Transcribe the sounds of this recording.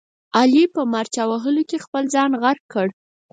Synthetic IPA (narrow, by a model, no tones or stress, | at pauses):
ɑlipəmaɾt͡ʃawaɦəlokexpəlzɑnɣaɾkːəɽ